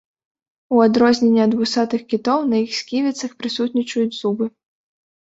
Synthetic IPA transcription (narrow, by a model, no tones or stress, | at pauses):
uad̪ɾɔzʲnʲenʲːɛɐd̪vusat̪ɨxkʲit̪ɔwnɐjixsʲkʲivʲit̪sɐxpɾɨsut̪nʲit͡ʂujut͡sʲzubɨ